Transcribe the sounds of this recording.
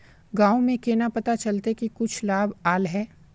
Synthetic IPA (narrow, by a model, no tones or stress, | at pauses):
ɡãːomẽkeːnapɐt̪at͡ʃɐlt̪ekikʊt͡ʃʰlaːbaːlɦɛː